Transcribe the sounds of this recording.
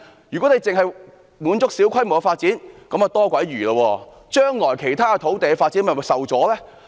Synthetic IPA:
jy˨˩kɔː˨˥ne˧jt͡sɪ˨ŋɦɐ˨j | muː˨˧˥nt͡sʊ˥k̚siː˨˥wkʰɐ˥jmo˨wkɐ˧faː˧t̚t͡siː˨˥nkɐ˨˥mː˨t̪ɔː˥kʷɐ˨˥jyː˨˩lɐ˧wɔː˧ | t͡ʃœː˥ŋlɔː˨˩jkʰe˨˩jt̪ʰaː˥kɐ˧t̪ʰo˨˥wt̪e˨jkɛ˧faː˧t̚t͡siː˨˥nmɐ˨˩sɐ˨wt͡sɔː˨˥lɛː˥

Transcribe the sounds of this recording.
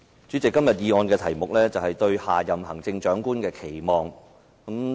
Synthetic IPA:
t͡ʃy˨˥t͡sɪ˨kːɐ˥mjɐ˨t̚jiː˧ŋɔː˧nkɛː˧t̪ʰɐ˨˩jmʊ˨k̚lɛː˥t͡sɐ˨whɐ˨jt̪ɵ˧ɥhaː˨˩jɐ˨mhɦɐ˨˩ŋt͡sɪ˧ŋt͡ʃœː˨˥ŋkuː˥nkɛː˧kʰe˨˩jmɔː˨ŋ | kɐ˨˥m

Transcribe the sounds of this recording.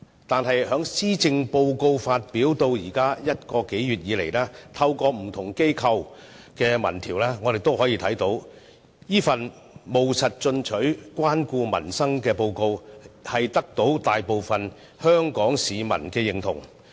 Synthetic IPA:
t̪aː˨nɦɐ˨jhœː˨˥ŋsiː˥t͡sɪ˧ŋpo˧wko˧wfaː˧t̚piː˨˥wt̪o˧wjiː˨˩kaː˥jɐ˥t̚kɔː˧ke˨˥jɥyː˨t̚jiː˨˧lḛ˨˩jlaː˥t̪ʰɐ˧wkɔː˧m̩˨˩t̪ʰʊ˨˩ŋke˥jkʰɐ˧w | kɛː˧mɐ̰˨˩nt̪ʰiː˨˩wlɛː˥ŋɔː˨˧ɾe˨jt̪o˥whɔː˨˥jiː˧t̪ʰɐ˨˥jt̪o˨˥w | jiː˥fɐ˨n | mo˨wsɐ˨t̚t͡ʃɵ˧nt͡ʃʰɵ˨˥ɥkʷaː˥nkuː˧mɐ̰˨˩nsɐ˥ŋkɛː˧po˧wko˧whɐ˨jt̪ɐ˥k̚t̪o˨˥wt̪aː˨jpo˨wfɐ˨n | hœː˥ŋkɔː˨˥ŋsiː˨mɐ̰˨˩nkɛː˧jɪ˨˩ŋt̪ʰʊ̰˨˩ŋ

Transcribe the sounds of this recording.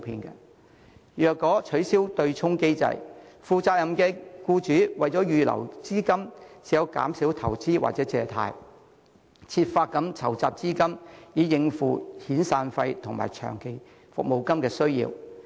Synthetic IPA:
pʰiː˧nkɐ̰˧ | jœː˨kːɔː˨˥t͡ʃʰɵ˨˥ɥsiː˥wt̪ɵ˧ɥt͡sʰʊ˥ŋke˥jt͡sɐ̰˧˥jfuː˨t͡saː˧k̚jɐ˨˩mkɛː˧kuː˧t͡ʃyː˨˥wɐ˨jt͡sɔː˨˥jyː˨lɐ̰˨˩wt͡siː˥kɐ˥msiː˨˩jɐ˨˧wka̰ː˨˥msiː˨˥wt̪ʰɐ˨˩wt͡siː˥wa̰ː˨t̚t͡sɛː˨˧˥t͡sɛː˨t̪ʰa̰ː˧j | t͡sʰiː˧t̚faː˧t̚kːɐ˨˥mt͡sʰɐ˨˩wt͡saː˧p̚t͡siː˥kɐ˥mjiː˨˧jɪ˨˧ŋfuː˨˩hiː˨˥nsaː˧nfɐ˧jt̪ʰʊ˨ŋma̰ː˨˩jt͡ʃʰœ̰ː˨˩ŋke˨˩j | fʊ̰˨k̚mo˨˧wkɐ˥mkɛː˧sɵ˥ɥjḭː˧w

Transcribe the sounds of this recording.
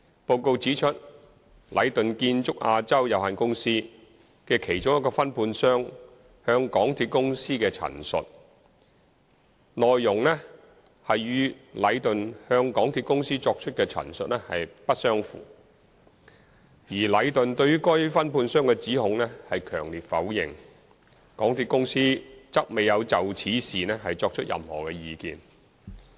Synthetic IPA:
po˧wko˧wt͡siː˨˥t͡ʃʰɵ˥t̚ | lʔɐ̰˨˧jt̪ɵ˨nkiː˧nt͡sʊ˥k̚ʔaː˧t͡sɐ˥wjɐ˨whaː˨nkʊ˥ŋsiː˥ | kɛ˧kʰe˨˩jt͡sʊ˥ŋjɐ˥tkɔː˧fɐ˥npʰuː˧nsœː˥ŋ | hœː˧ŋkɔː˨˥ŋt̪ʰiː˧t̚kʊ˥ŋsiː˥kɛː˧t͡sʰɐ̰˨˩nsɵ̰˨t̚ | lɔː˨jːʊ˨˩ŋlɛ˥ | hɐ˨jɥyː˨˧lɐ˨˧jt̪ɵ˨nhœː˧ŋkɔː˨˥ŋt̪ʰiː˧t̚kʊ˥ŋsiː˥t͡ʃɔː˧k̚t͡ʃʰɵ˥t̚kɛː˧t͡sʰɐ̰˨˩nsɵ˨t̚nɛː˥hɐ̰˨jpɐ˥t̚sœː˥ŋfṵː˨˩ | jiː˨˩lɐ˨˧jt̪ɵ˨nt̪ɵ˧ɥyː˥kɔ˥jfɐ˥npʰuː˧nsœː˥ŋkɛː˧t͡siː˨˥hʊ˨˧˥ŋnɛ˥hɐ˨jkʰœː˨˩ŋliː˨t̚fɐ˨˥wjɪ̰˨ŋ | kɔː˨˥ŋt̪ʰiː˧t̚kʊ˥ŋsiː˥t͡sɐ˥k̚me˨jɐ˨˧wt͡sɐ˨wt͡sʰiː˨˥siː˨nɛː˥hɐ˨jt͡sɔː˧k̚t͡ʃʰɵ˥t̚jʔɐ̰˨mhɔ̰ː˨kɛː˧jiː˨˧kḭː˨n

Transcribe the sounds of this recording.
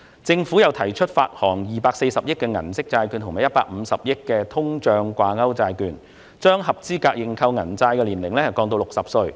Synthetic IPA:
t͡sɪ˧ŋfu˨˥jɐ˨˧wt̪ʰɐ˨˩jt͡ʃʰɵ˥t̚fa̰ː˧t̚hɔː˨˩ŋjiː˨˩paː˧k̚se˧jsɐ˨p̚jɪ˥kːɛː˧ŋɐ̰˨˩nsɪ˥k̚t͡saː˧jkyː˧nt̪ʰʊ˨˩maː˨˩jɐ˥t̚paː˧k̚m̩˨˧sɐ˨p̚jɪ˥kːɛː˧t̪ʰʊ˥ŋt͡ʃœː˧ŋkʷaː˧ŋɐ˥wt͡saː˧jkyː˧n | t͡ʃœː˥ŋɦɐ˨p̚t͡siː˥kaː˧k̚jɪ˨ŋkʰɐ˧wŋɐ˨˩nt͡saː˧jkɛ˧liː˨˩nlɪ˨˩ŋlɛ˥hɐ˨˩kɔː˧ŋt̪o˧wlʊ˨ksɐ˨p̚sɵ˧ɥ

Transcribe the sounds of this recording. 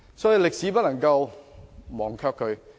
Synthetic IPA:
sɔː˨˥ji˨˧lɪ˨k̚siː˨˥p̬ɐ˥lɐ˨˩ŋkɐ˧w | mɔː˨˩ŋkʰœː˥kʰɵ˨˧ɥ

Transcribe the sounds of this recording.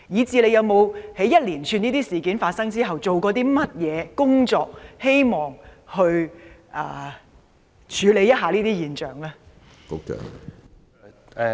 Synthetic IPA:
jiː˨˧˥t͡siː˨˧le˨˧jɐ˨˧wmo˨˧whe˨˥jɐ˥t̚liː˨˩nt͡ʃʰyː˧niː˥t̪iː˥siː˨kiː˨˥nfaː˧t̚sɐ˥ŋt͡siː˥ɦɐ˨wt͡so˨wkɔː˨˧t̪̬iː˥mɐ˥t̚jɛː˨˧kʊ˥ŋt͡sɔː˧k̚he˥jmɔː˨˩ŋhɵ˧ɥʔɐ̰ː˨˩ | t͡ʃʰyː˨˧le˨˧jɐ˥t̚ɦaː˨liː˥t̪iː˥jiː˨nt͡ʃœː˨ŋlɛː˥ | ko˥k̚t͡ʃœ̰ː˨˩ŋ

